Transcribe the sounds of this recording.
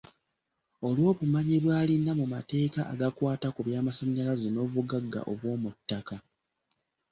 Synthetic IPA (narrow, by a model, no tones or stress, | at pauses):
o̞lwo̞ːβumaɲiβwaːlinːamumate̞ːkaʔa̰ɡakwaːtakuβjaːmasaɲːalazino̞βuɡaɡːa̰ʔo̞βwo̞ːmutːaka